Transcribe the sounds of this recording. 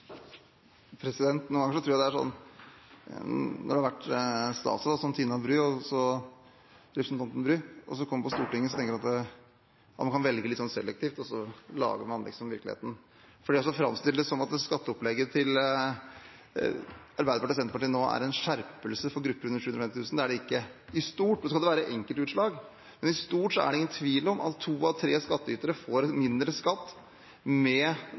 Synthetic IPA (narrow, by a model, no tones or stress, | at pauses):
pʰɾɛsɪd̪ɛnt̪nuːŋɡɑŋːəʂɔt̪ʰɾuːjæɪd̪æʂɔ̰nː | nʔɔ̰ɖɛhɑɾʋæʈːst̪ɑ̰ːt̪sʋɑsɔnt̪ʰiːnɑbɾyːɔsɔ | ɾɛpɾsnt̪ɑnt̪ənbɾyːɔ̰sɔkʰɔmːəpɔst̪uːʈɪŋːəsɔt̪ʰɛŋkəɾɑt̪d̪ɛ | ɑmɑnkʰɑnʋɛlɡəlɪt̪sɔnsɛ̰lːɛk̚t̪ʰiːft̪ɔsɔlɑ̰ːɡəɾmɑnlɪ̰ksɔmʋɪɾklɪ̰ḛːt̪n̩ | fɔɖiːɔsɔfɾɑ̰mst̪ɪləd̪ɛsɔmɑt̪̚d̪ɛskɑt̪ːəɔplɛɡəɾt̪ʰɪl | ɑɾbæɪd̪əpɑʈɪɾsɛnt̪əpɑʈiːnoːæ̰ɾɛnʂæɾpəlsəfɔɾɡɾʉpːəɾʉnəɾʂʉːʉnɾɔfɛmt̪ɪt̪ʰʉːsnd̪ɛæɖɛɪkːəɪst̪uːʈsoːskɑld̪ɛʋæːɾəʔɛŋkəlt̪ʉːt̪ʂɭɑːɡ | mɛnɪst̪uːʈsɔæ̰ɖɛɪŋːənt̪ʰʋiːlɔmɑ̰t̪ʰːuːɑʋt̪ʰɾeːskɑt̪ːəyːt̪əɾəfoːɾmɪnd̪ɾəskɑt̪ː | mɛ